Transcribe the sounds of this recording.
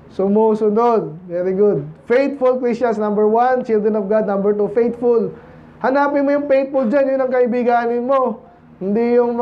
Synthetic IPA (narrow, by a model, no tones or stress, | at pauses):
sʊmusʊnod̪̚vɛɾɪɡʊd̪̚fejt̪̚fʊlkɹisɐnsnɐ̃mbɛɹwant͡ʃɪld̪ɾɛnɔvɡad̪̚nɐ̃mbɛɹt̪ufejt̪fʊl | hɐnaːpɪnmojʊŋpejt̪̚fʊld͡ʒanjʊnːɐŋkɐʔɪbɪɡaːnɪnmo̞ | hɪnd̪ijʊŋm